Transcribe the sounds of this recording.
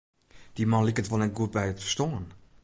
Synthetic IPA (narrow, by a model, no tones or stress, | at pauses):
d̥imɑnlikətʋɔlˠnɛt̚ɡuət̚bɛjətfə̥stoən